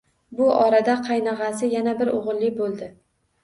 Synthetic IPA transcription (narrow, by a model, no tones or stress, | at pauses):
bʊʔɒɾad̪aqʰɑjnɑʁɑsɪjanabɪɾoʁɨlˠːɪbolˠd̪ɪ